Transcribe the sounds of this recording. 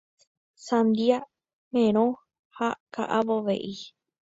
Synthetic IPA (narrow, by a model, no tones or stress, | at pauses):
sãnd̪ia | mẽɾ̃õ | haka̰ʔaβoʋḛʔi